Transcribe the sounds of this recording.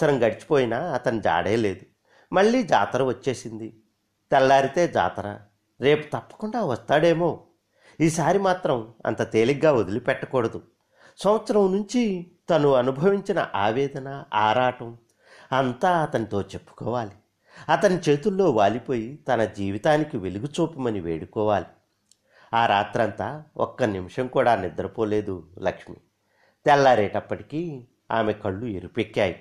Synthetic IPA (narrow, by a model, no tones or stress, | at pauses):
sɐɾɐmɡɐɽit͡ʃi̥po̞ːjinaːɐt̪ɐnid͡ʒa̰ːɽḛːle̞ːd̪u | mɐɭːiːd͡ʒa̰ːt̪ɐɾɐʋɐt͡ʃːe̞ːsind̪i | t̪ɛlːaːɾit̪e̞ːd͡ʒa̰ːt̪ɐɾɐ̰ | ɾe̞ːpu̥t̪ɐpːɐ̥kuɳɖaːʋɐst̪aːɽe̞ːmo̞ː | iːsaːɾimaːt̪ɾɐmɐ̰nt̪ɐt̪eːliɡaːod̪ilupɛʈːɐkɔːɽɐd̪u | sɐwʋɐt̪sɐɾɐmnuɲt͡ʃit̪ɐnuɐnubʱɐʋiɲt͡ʃinɐ̰ʔaːʋɛːd̪ɐnɐaːɾaːʈɐm | ɐnt̪aːɐt̪ɐnit̪o̞ːt͡ʃe̞pːu̥kɔːʋaːli | ɐt̪ɐnit͡ʃe̞ːt̪ulːo̞ːʋaːlipo̞ːjit̪ɐnɐd͡ʒiːʋit̪aːnikiʋeluɡut͡ʃuːpɐmɐniʋḛːɽukɔːʋaːli | aːɾaːt̪ɾɐnt̪aːɔ̰kːɐnimʂɐŋkuːɽaːnid̪ɐɾɐpoːleːd̪ulɐkʂmḭ | t̪ɛlːaːɾɛːʈɐpːɐʈi̥kiː | a̰ːmekɐɭːueɾupekːjaːji